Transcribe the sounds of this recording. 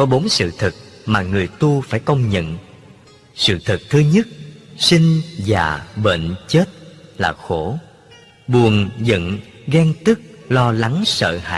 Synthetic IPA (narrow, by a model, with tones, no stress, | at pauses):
kɔ˨˦ɓo˨˦nsɨ̰˧˨t̪ʰɨ˨˩k̚ | maː˨˩ŋɨ˨˩əjt̪u˧faː˧˩jkə˧wŋ͡mɲə̰˧˨n | sɨ̰˧˨t̪ʰɨ˨˩k̚t̪ʰɨ˧ɲə˦˥t̚sï˧ŋ̟vaː˨˩ɓḛ˧˨nt͡ɕe˦˥t̚laː˨˩xo˧˩ | ɓu˨˩ənzə̰˧˨n | ɣɛ˧ŋt̪ɨ˦˥k̚lɔ˧la˨˦ŋsə̰ː˧˨ha̰ː˧˨j